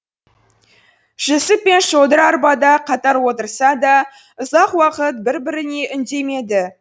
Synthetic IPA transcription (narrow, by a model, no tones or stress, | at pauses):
ʒ̥esɪpːe̞nʃod̪əɾɑɾbɑd̪ɑqʰɑt̪ɑɾwo̞t̪əɾsɑd̪ɑ | ʊzɑqwɑqət̪̚bɪɾbɪɾɪne̞ʔʏnd̪e̞me̞d̪ɪ